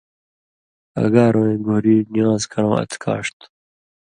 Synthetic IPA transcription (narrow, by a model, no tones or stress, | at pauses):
ɐ̰ɡaːɾõːẽːɡoːɾiːnijãːzkʰɐɽõːɐ̰t̪ʰkʰa̰ːʂt̪